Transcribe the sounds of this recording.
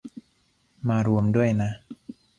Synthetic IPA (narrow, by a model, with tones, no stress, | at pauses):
maː˧ɾu˧əmdu˥˩əjna˦˥ʔ